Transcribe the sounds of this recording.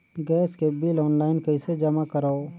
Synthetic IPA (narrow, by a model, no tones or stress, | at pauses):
ɡɛːskebiːlɔːnlaːɪnkəɪsed͡ʒəmakəɾao